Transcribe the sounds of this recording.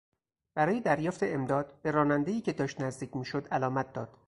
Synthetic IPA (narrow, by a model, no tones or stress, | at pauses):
b̥æɾɒːjed̪æɾjɒːft̪ʰeemd̪ɒːd̪̥b̥eɾɒːnænd̪ejiːcʰe̞d̪ɒːʃt̪næzd̪iːcʰmiːʃod̪ælɒːmæt̪̚d̪ɒːd̪̥